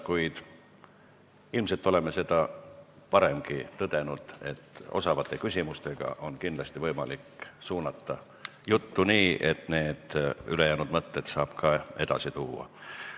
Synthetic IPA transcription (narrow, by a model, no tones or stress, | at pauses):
kujd̪̥ | ilmse̞lt̪ːˑo̞le̞mese̞d̪̥ɑpɑɾe̞mɡit̪ɤd̪̥e̞nud̪̥e̞t̪ːˑo̞̰sɑvɑt̪ːˑe̞kysʲimust̪e̞ɡ̥ɑ̰ʔo̞nkind̪lɑst̪ivɤjmɑliksuːnɑt̪ːɑ | jut̪ːuniːʔet̪ne̞ːd̪̥ylejæːnud̪mɤt̪ːe̞t̪sɑːb̥kʰɑe̞d̪̥ɑ̰sit̪uːɑ̰